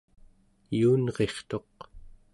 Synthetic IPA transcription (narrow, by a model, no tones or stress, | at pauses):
juːnʁe̞χt̪o̞q